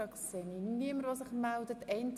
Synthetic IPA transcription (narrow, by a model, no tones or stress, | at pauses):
ɑksɛniniəməɾosəχmældətɛɪnt